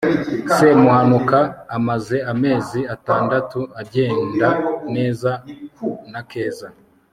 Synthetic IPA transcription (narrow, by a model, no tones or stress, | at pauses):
semuhanukaːmaze̞ame̞ːziataːndatuaɟe̞ːndane̞ːza | nake̞ːza